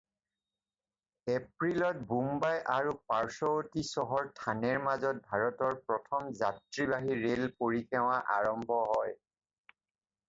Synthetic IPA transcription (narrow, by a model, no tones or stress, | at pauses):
epɹilɔt̚bumbajʔaɹupaɹsɔotisɔɦɔɹtʰanɛɹmazɔt̚bʱaɹɔtɔɹpɹɔtʰɔmzatɹibaɦiɹelpoɹikʰɛw̃aʔaɹɔmbʱɔɦɔj